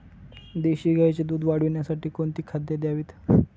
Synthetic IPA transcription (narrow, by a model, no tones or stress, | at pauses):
d̪eɕiːɡʱajt͡ɕed̪uːd̪ʋaɽ̤ʋiɳjasaʈiːkoɳt̪iːkʰad̪jed̪jaʋiːt̪